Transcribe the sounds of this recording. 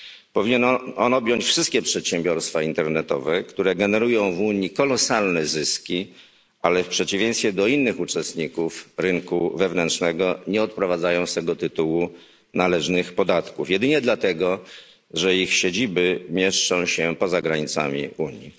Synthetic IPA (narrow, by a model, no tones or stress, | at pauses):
pɔvʲiɲɛnɔnɔbʲjɔɲt͡ɕfʂɘst̪kʲɛpʂɛt̪ɕɛmbʲjɔɾst̪faint̪ɛɾnɛt̪ɔ̰vɛkt̪uɾɛɡɛnɛɾujɔ̃w̃vuɲːikɔlɔsalnɛzɘskʲi | ʔalɛfpʂɛt͡ɕivʲjẽj̃st̪fʲjɛd̪ɔinːɘxut͡ʂɛst̪ɲikufɾɘŋkuvɛvnɛntt͡ʂnɛɡɔɲɛɔt̪̚pɾɔvad̪zajɔ̃w̃st̪ɛɡɔt̪ɘt̪uwu | nalɛʐnɘxpɔd̪at̪kufjɛd̪ɘɲɛd̪lat̪ɛɡɔ | ʐɛixɕed͡ʑibɘmʲjɛʂt͡ʂɔ̃w̃ɕɛpɔzaɡɾaɲit̪sa̰mʲḭuɲjḭ